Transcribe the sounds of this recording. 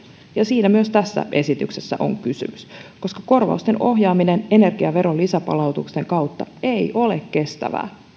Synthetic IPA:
jɑsiːnæmyøst̪æsːæ̰ʔe̞sit̪yksesːæ̰ʔo̞̰ŋkysy̰mysko̞skɑko̞rʋɑ̰ust̪e̞nʔo̞ɦjɑːminene̞ne̞rɡ̥iɑʋe̞ɾo̞lisæpɑ̰lɑwt̪ukst̪e̞ŋkɑwt̪ːɑ̰e̞jʔo̞lekke̞st̪æ̰ʋæ̰ː

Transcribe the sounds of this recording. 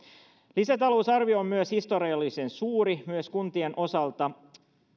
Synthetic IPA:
lisæt̪ɑlo̞usɑrʋioomːyøshist̪o̞ɾiɑlːisensuːɾimyøskunt̪ienʔo̞sɑlt̪ɑ

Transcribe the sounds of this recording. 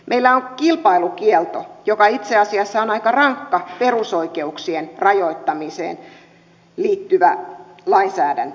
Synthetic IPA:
mʔeilːæoŋkilpɑilukielt̪ojokɑit̪seɑsiɑsːæonɑikɑrɑŋkːɑperusoikeuksienrɑjoit̪ːɑmisḛːn | liːt̪ːyʋælɑinsæːdæ̰nt

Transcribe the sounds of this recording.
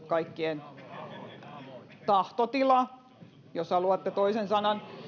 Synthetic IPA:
kɑikːien | t̪ɑht̪ot̪ilɑ | joshɑluɑt̪ːet̪oisensɑnɑn

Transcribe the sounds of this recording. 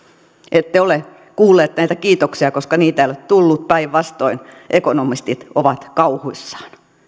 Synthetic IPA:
ʔet̪ːeole | kuːlːˑeːt̪næit̪ækiːt̪oksiɑkoskɑniːt̪æeiolet̪t̪ulːut̪pæiʋʋɑst̪oin | ʔekonomist̪it̪oʋɑt̪kɑuhuisːɑ̥ːn

